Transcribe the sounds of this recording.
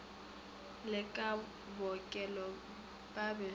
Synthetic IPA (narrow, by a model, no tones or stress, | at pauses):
lɪkʼa | bɔkʼɛlɔ | pʼabɛ